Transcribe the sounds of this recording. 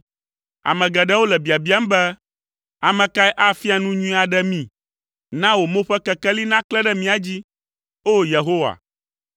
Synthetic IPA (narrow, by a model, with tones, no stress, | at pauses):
a̰˨mɛ̃˨ɡɛ˨ɖɛ˦wo˦lɛ˨bi˨a˨bi˨˦a˦m˦bɛ˦ | a˨mɛ̃˨ka˦ɛ˦ʔa˦fi˦a˨nũ˦ɲũ˦ĩ˦a˨ɖɛ˦mĩ˨ | nã˦wo˨mõ˦ɸɛ˦kɛ˦kɛ˦li˦nã˦klɛ˦ɖɛ˦mĩ˦a˨d͡ʑi˦ | o˦je˨ɦo˦wa̰˨